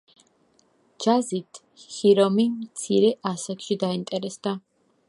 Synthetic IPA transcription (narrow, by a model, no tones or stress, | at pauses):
d͡ʒazit̪ʰ | hiɾɔmimt̪sʰiɾɛʔasakʃid̪aint̪ʼɛɾɛsd̪a